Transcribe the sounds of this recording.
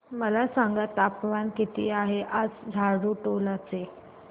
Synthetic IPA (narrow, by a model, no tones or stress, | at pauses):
məlasaŋɡat̪apʋankit̪ḭːaɦeʔad͡zd͡zʱaɽuʈolat͡se